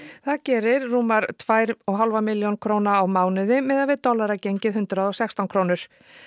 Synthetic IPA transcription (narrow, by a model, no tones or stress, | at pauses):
θaðcɛːɾɪɾːuːmaɾt̪ʰvaːjɾɔɣɦalvamɪljownkʰvɾoːwnaːwmaːwnʏðɪmɛðaðvɪðt̪ɔlaɾacejɲcɪðɦʏnt̪ɾaðɔɣsɛkst̪awnkʰɾoːwnʏɾ̥